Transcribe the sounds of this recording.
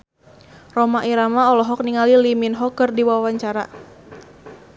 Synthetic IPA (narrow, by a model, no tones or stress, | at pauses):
rɔmaʔiɾamaɔlɔɦɔk̚niŋaliliminɦɔkɨrdiwawaɲt͡ʃaɾa̰